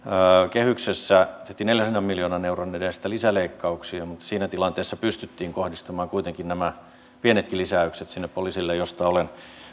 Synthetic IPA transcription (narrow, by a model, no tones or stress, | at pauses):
kehyksesːæt̪eht̪ineljæsenːɑmmiljoːnɑneurɑnedest̪ælisæleikːɑuksiɑmut̪ːsiːnæt̪ilɑnt̪eːsːɑpyst̪yt̪ːiːŋkohdist̪ɑmɑːŋkuit̪eŋkinnæmæ | pienet̪kilisæykset̪sinːeppoliːˑsilːejost̪ɑolen